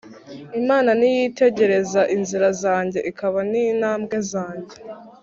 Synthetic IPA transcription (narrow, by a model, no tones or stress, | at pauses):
imaːnanijite̞ɟe̞ɾe̞zaʔinziɾazaːɲɟe̞ʔikaβaniːnaːmbɡe̞zaːɲɟe̞